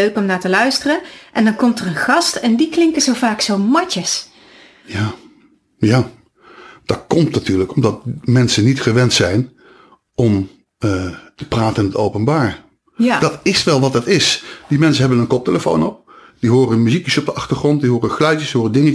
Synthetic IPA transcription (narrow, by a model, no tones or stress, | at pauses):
øɥkɔmnaːtəlœɥstərəʔɛndɑnkɔmtərənχɑstɛndiklɪŋkəzowvaːksowmɑcəs | jaː | jaː | d̥ɑt̚kɔmtnatyːɹləkɔmdɑt̚mɛnsənitχəʋɛntsɛjn | ɔm | tə̥praːtənɪnətowpənbaːɹ | d̥ɑtɪsʋɛlˠʋɑt̚dɑtɪsd̥imɛnsənɦɛbənənkɔp̚teləfo̰wnɔp̚ | d̥iɦoːɾənmyzikjəsɔb̚dəʔɑχtəχrɔnt̚diɦoːɾənklɛɥt͡ʃəsdɦoːrədɪŋə